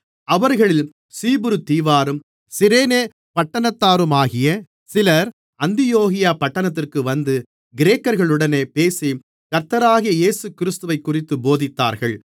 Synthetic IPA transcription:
ɐʋɐɾɣɐɭɪl | siːbɯɾɯt̪iːʋaːɾɯm | sɪɾeːneː | pɐʈːɐnɐt̪ːaːɾɯmaːɣɪjɐ | sɪlɐɾ | ɐnd̪ɪjoːɣɪjaːpɐʈːɐnɐt̪̬ːɪrkɯʋɐnd̪ɯ | ɡɪɾeːkːɐɾɣɐɭɯɽɐneːpeːsi | kɐɾt̪ɐɾaːɣɪjɐjeːsɯkɪɾɪst̪ɯʋɐɪkːʊrɪt̪ːɯboːðɪt̪ːa̰ːɾɣɐɭ

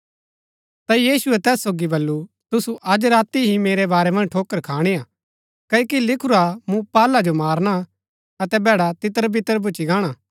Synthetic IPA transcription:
t̪ajiːsʊɛt̪ɛːsːoːɡibɐlːu | t̪ʊsuʔɐd͡ʒɾaːt̪iɦimeːɾɛbaːɾɛmɐ̃nd͡ʒʈʰoːkəɾkʰaːɽ̃iaː | kɐokilɪkʰʊɾamũpaːlad͡ʒomaːɾña | ɐt̪ɛbɛːɽat̪ɪt̪əɾbʱɪt̪əɾbʊt͡ʃiɡaːɽ̃a

